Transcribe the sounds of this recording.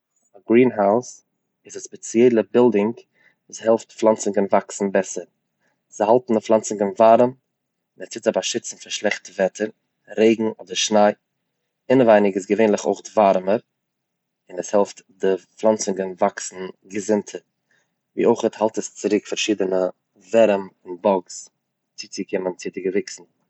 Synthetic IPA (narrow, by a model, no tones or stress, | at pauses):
aɡɾiːnɦaʊs | ɪzaspɛt͡siɛɪlˠəbɪlˠdɪŋk | vuːshɛlˠftflˠant͡sɪŋɡənvaksn̩bɛsəɾ | z̥ɪhalˠtn̩dəflˠant͡sɪŋɡənvaɾəm | ɪnɛsɪtabaʃɪt͡sn̩faʃlˠɛχtəvɛtʰəɾ | ɾeɪɡŋ̩ɔːdəɾʃnaɪ | ɪnəvaɪnɪɡɪs̬ɡəveɪnlˠɪχo̰ɪχtvaɾməɾ | ɪnɛshɛlˠftdɪflˠant͡sɪŋɡənvaksn̩ɡəzɪntʰəɾ | vḭːoʊχəthalˠtəst͡sɪɾɪkfaɾʃiːdənə | vɛɾəmɪnbɔks | t͡siːt͡sɪkɪmənt͡sɪdɪɡəvɪksn̩